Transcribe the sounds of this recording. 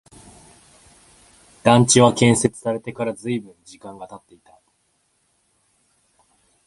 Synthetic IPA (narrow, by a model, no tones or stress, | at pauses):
d̪̥ãɲt͡ɕiβakẽ̞ɰ̃se̞t͡sɨ̥saɾe̞t̪e̞kaɾazɨibɯ̟̃ɲd͡ʑikãŋɡat̪at̪ːe̞it̪a